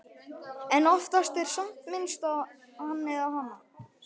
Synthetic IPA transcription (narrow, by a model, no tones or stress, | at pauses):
ɛnɔft̪ast̪ɛɾ̥sam̥t̪mɪnst̪a | hanːɪðawhanːa